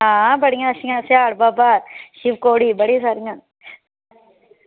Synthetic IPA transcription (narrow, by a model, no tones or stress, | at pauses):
aːbɐɽiŋɡɐʂiŋɐsjaːɽbaːpaʃiʋkoːɽibɐɽisaːɾiŋɡɐ